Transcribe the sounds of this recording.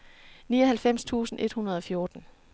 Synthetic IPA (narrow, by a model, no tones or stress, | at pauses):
niːɒhælfem̰st͡sʰṵːsn̩ʔe̝d̥hunɐð̞ˠɒ̽fjo̝ɐd̥n̩